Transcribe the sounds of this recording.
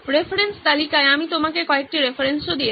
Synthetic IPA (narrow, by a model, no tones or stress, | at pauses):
ɾefʰɾenst̪alikaeamit̪omakekɔek̚ʈiɾefʰaɾensod̪ie